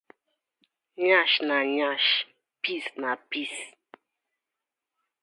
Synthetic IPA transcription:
ɲaʃnaɲaʃ | pisnapis

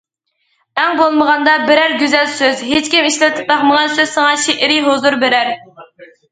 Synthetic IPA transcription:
ɛŋbolˠməʁɑnd̪ɑbɪɾæɾɡʲyzɛlsøzɦet͡ʃkʲimiʃlɛt̪ʰɪ̥p̚b̪ɑχməʁɑnsøzsɨŋɑʃeʔɪɾɪɦozuɾbeɾæɾ

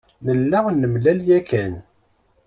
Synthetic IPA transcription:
nəlːæʁnːəmlæljækæn

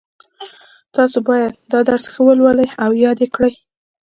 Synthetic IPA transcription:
t̪ɑsobɑjad̪d̪ɑd̪aɾsxawəlwaləjawjɑd̪ekɽəj

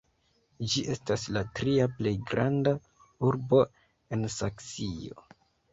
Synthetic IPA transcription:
d͡ʒiʔe̞staslatɾiaple̞jɡɾanda | uɾbo̞ | e̞nsaksio̰

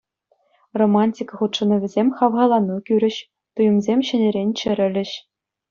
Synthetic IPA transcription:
romɑnʲtʲikχut̪ʂɤ̆nɤ̆ʋʲɘ̆zʲemʲχɑʋʁɑlˠɑnːukʲyɾʲɘ̆ɕ | t̪ujɤ̆mzʲemʲɕɘ̆nʲĕɾʲenʲt͡ɕɘ̆ɾʲɘ̆lʲɘ̆ɕ

